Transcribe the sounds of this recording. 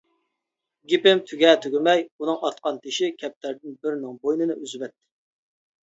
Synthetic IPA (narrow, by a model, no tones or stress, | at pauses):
ɡʲipɪmt̪ʰyɡʲɛt̪ʰøɡʲɪmɛjunɨŋɑt̪̚qɑnt̪ʰɪʃikʲʰɛp̚t̪ʰæɾd̪ɪnbɪɾnɪŋbojnɨnɨʔyzvɛt̪ːɪ̥